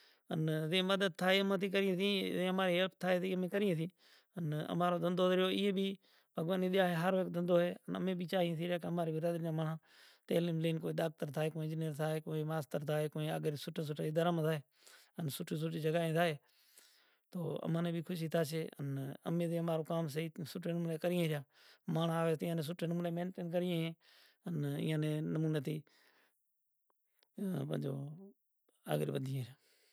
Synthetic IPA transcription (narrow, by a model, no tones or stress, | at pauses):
ənzẽːməd̪əd̪̚t̪ʰaːɦeːəmãːt̪ʰiːkəɾĩːsĩːzẽːəmaːɾeːɦəpt̪ʰaːɦeːsiːəmẽːkəɾĩːs̬ĩː | ənə̰maːɾoːd̪ə̃nd̪oːd̪ɾjoːɪɦeːbiː | bʱəɡʋaːniːɗɪjaːɦeːɦəɾʋeːk̚d̪ə̃nd̪oːɦeːənə̰mẽːbiːt͡ʃaːɦĩsiːɾeːkəmaːɾeːbɪɾaːd̪ɾd͡ʒãːməɳãː | t̪ḛːliːmliːnkoːiːɗ̪aːk̚t̪əɾt̪ʰaːɦeːkõːd͡ʒɪnijəɾt̪ʰaːɦeːkoːiːmaːst̪əɾt̪ʰaːɦeːkoːĩːə̰ɡəɾsʊʈʰas̬ʊʈaːid̪əɾəmt̪ʰaːɦeː | ənsʊʈʰiːs̬ʊʈiːd͡ʒəɡaːɦẽːt̪ʰaːɦeː | t̪oːə̰mãːneːbʱiːkʰʊʃ̬iːt̪ʰaːseːə̰nə̰mẽːt̪eːəmaːɾoːkaːmsəiːsʊʈʰeːnmuːneːkəɾɪjãːɾjaːmaːɳaːʋeːt̪ɪ̃ːãːneːs̬ʊʈʰːeːnmuːneːmẽːnʈeːnkəɾɪjãːɦẽː | ənɪ̰ːãːnẽːnəmuːneːt̪ʰiː | pə̰d͡ʒo̰ː | a̰ːɡɾḭːbəd̪ʱijãːɾɪjaː